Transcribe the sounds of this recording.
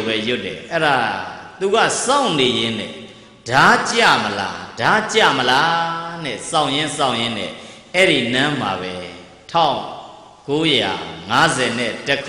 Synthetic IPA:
bɛjʊtːɛ̰ʔɛɾat̪uɣa̰sãʊ̃nejɪ̃n̥ɛ̰ | d̥at͡ɕa̰məla̰d̥at͡ɕa̰məlanɛ̰sãʊ̃jɪ̃nsãʊ̃jɪ̃n̥ɛ̰ | ɛɾinãm̥a̰βɛ | tʰãʊ̃ | koja̰ŋazɛn̥ɪʔtəkʰ

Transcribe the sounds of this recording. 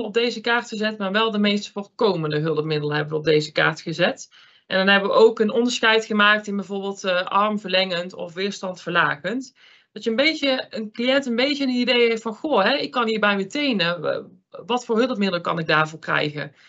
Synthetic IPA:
lɔb̚dejzəkaːɹtxəzɛtmaːɹʋɛlˠdəmejstfoːrkowməndəɦɵlˠəpmɪdələɦɛbəʋəɔb̚dejzəka̰ːɹtχəzɛt | ʔɛndɑnɦɛbəʋəʔowkənɔndəɹsxɛjtχəmaːk̚tɪnbɛjvoːɹbɪːlˠtʔɑrmvəɹlɛŋəntɔ̰fʋɪːɹstɑntfəɹlaːɣənt | d̥ɑtjəənbejtjəənklijɛntənbejjənidejɦɛtfɑnxoɦɛɪkːɑnɦiːɹbɛjmətejnə | ʋɑtfʊːɹɦɵlˠəp̚mɪdəlˠəkɑ̰nɪɡ̚daːɹvʊːɹkrɛ̰jɣə̰

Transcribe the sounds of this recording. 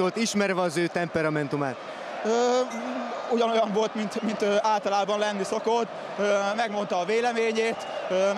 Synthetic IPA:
olt̪iʃmɛɾvɛɒzøːt̪ɛmpɛɾɒmɛnt̪umaːt̪ | ø | uɟɒno̞jɒɱvo̞lt̪mint̪mint̪øʔaːlt̪ɒlaːbɒnlɛnːiso̞kot̪ː | ømɛɡmo̞nt̪ɒːveːlɛmeːɲeːt̪ø

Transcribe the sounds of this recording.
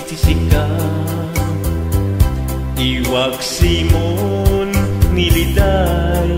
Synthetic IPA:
t̪isika | iwaksimonːilid̪a

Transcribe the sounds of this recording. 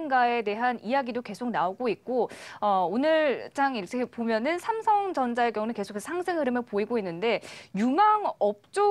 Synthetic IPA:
nɡae̞de̞ɦanijaɡidoke̞sʰok̚naoɡoik̚k͈oʌonɯɭt͡ɕ͈aŋiʌtʰepomjʌnɯnsʰamsʰʌŋd͡ʑʌnd͡ʑaeɡjʌŋunɯnke̞sʰokesʰsʰaŋsʰɯŋɦɯɾɯmɯɭpoiɡoinːɯnde̞jumaŋʌp̚t͡ɕ͈o

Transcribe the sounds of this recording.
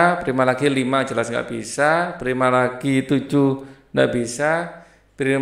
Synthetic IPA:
pəɾimalaɡilimḁd͡ʒəlasŋɡa̰ʔb̥isapɾimalaɡ̥it̪u̥d͡ʒuŋɡa̰ʔb̥isa | pɾi

